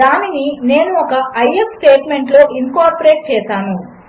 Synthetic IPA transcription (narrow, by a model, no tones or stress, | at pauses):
aːninine̞ːnuɔkɐɐjepsʈe̞ːʈme̞ɳʈlo̞ːʔiŋkaːɾpoɾe̞ːʈ̚t͡ʃɛːʃaːnu